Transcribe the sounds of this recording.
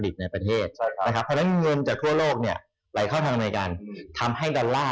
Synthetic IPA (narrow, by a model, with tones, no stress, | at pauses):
li˨˩t̪̚na˧jpɾa˧t̪ʰeː˥˩t̪̚t͡ɕʰkʰa˦˥pʰːɔ˧˥nɛ˦˥n˧ŋɤ˧nt͡ɕaː˨˩k̚t̪ʰu˥˩ɐloː˥˩k̚ni˥˩ɐ | la˨˩˦jkʰɔː˥˩wt̪ʰaː˧ŋna˧jkaː˧nt̪ʰa˧mɦa˥˩jdɔː˧nlːaː˥˩